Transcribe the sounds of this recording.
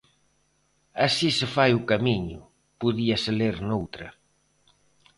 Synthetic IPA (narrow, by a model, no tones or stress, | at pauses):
asisɪfajʊkamiɲʊ | puðiɐseleɾnowt̪ɾɐ